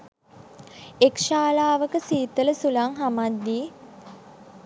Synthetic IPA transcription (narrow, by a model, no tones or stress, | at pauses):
ekʃaːlaːʋəkəsiːt̪ələsulaŋɦamad̪ːiː